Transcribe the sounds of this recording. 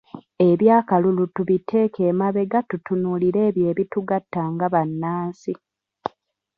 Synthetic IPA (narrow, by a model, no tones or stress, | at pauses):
e̞βjaːkalulutuβitʰe̞ːke̞ːmaβe̞ɡatutunuliɾe̞ːβje̞ːβituɡatːaːŋɡaβanːaːnsi